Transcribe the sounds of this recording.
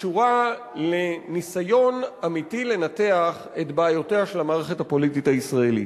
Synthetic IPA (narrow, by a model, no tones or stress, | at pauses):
t͡ʃuʁa | lenisajo̞namitile̞nate̞aχetbaːjo̞teaʃe̞lamaːʁeχethapo̞litithaisʁaelḭt